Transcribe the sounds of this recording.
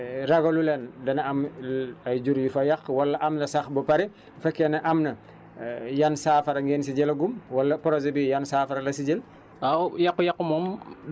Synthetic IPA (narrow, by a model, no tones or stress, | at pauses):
ɾɐɡɐlulɛndɐnɐɐmɐjd͡ʒuɾjufɐjɐxwɐlːɐʔɐmnɐsɐxbɐpɐɾi | fɛkːɛnɐʔɐmnɐ | jɐnsaːfɐɾɐŋɡɛːns̬iɟɛlɐɡumwɐlːɐpɔɾɔzɐbijɐnsaːfɐɾɐlɐsiɟel | awjɐkːujɐkːumɔm